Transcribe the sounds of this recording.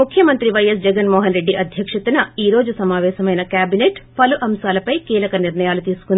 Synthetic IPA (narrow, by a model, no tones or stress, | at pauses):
mukʰjɐmɐnt̪ɾiʋɐjɐsd͡ʒɛɡɐnmɔːɦɐnɾe̞ɖːiʔɐd̪ʱjɐkʂɐt̪unɐiːɾo̞ːd͡ʒusɐmaːʋɛːsɐmɐjnɐkaːbineːʈpɐluʔɐmsaːlɐpɐjkiːlɐkɐniɾɳɐjaːlut̪iːsu̥kund̪i